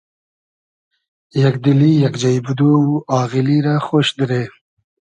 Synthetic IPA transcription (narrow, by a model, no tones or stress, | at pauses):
jakd̪ɪlijakd͡ʒajbud̪owuɑːɣiliɾaxoʃd̪ɪɾe